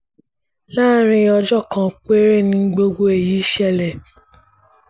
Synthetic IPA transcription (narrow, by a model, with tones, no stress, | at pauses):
la˦ɾ̃ĩ˧ɔ˧d͡ʒɔ˦˨kã˨k͡pe˦ɾe˦˨nĩ˧˦ɡ͡bo˧ɡo˧e˨jiː˨˦i˦ʃɛ˦˨lɛ˨